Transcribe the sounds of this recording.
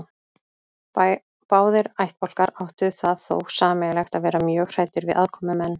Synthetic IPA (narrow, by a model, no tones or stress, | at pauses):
paːwðɪɾajht̪̚pɔwl̥kaɾawht̪ʏθaðθo̰wxsaːmɛlɛxt̪aðvɛːɾamjœːɣr̥aːjt̪ɪɾvɪðʔaðkʰɔmʏmɛnː